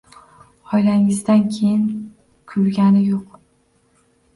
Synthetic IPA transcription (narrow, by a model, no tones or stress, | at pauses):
ɒjlaŋɪzd̪ankʲʰejɪn | kʰʊɾɡʲanɪjoq